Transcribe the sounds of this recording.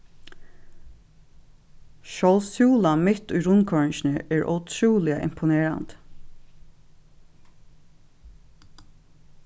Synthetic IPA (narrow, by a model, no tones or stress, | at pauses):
ʃɔlsuːlamɪt̪ʊjɾʊnkʰɔɹɪnʃnəʔɛːɹʔɔ̰t̪ʰɹuːlɪaʔɪ̰mpʰʊneːɹa̰nt̪